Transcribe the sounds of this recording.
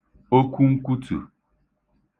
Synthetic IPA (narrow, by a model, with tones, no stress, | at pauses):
o˦ku˦ŋ̩˦ku˦tɨ̰˨